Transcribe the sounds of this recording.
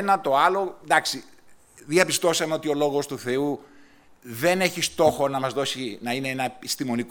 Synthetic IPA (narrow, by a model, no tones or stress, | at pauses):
nɐt̪o̞ɐlod̪ɐksi | ðiɐpist̪o̞sɐme̞o̞t̪io̞lo̞ɣo̞st̪uθe̞u | ðe̞ne̞çist̪o̞xo̞nɐmɐzðo̞sinɐine̞enɐepist̪imo̞nik